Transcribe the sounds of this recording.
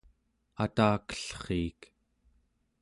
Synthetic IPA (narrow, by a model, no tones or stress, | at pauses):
at̪aːkə̥ɬχiːk